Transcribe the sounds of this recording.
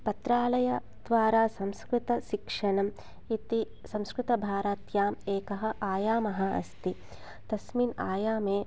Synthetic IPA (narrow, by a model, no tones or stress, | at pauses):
pɐt̪ɾaːlɐjɐ | d̪ʋaːɾaːsɐmskɾɪt̪ɐʃikʂɐnɐm | it̪i | sɐ̃mskɾɪt̪ɐbʱaːɾaːt̪jaːmeːkɐɦɐ̆ʔaːjaːmɐɦɐ̆ɐ̰st̪i | t̪ɐsmina̰ːjaːmeː